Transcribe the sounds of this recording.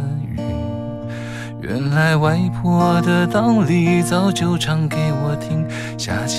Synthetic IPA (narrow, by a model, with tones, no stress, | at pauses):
y̰˨˧˩ | ɥɛ̰˧˥nla˧˥ɪwa˧˥ɪpʰwɔ˥d̪ə˨t̪ɑ˥ʊli˧˩t͡sɑ˥ʊt͡ɕjo˧˥ʊʈ͡ʂʰɑ˧˥ŋke˧˥ɪwɔ˨˩˦t̪ʰi˥ŋ | ɕja̰˥˩t͡ɕʰ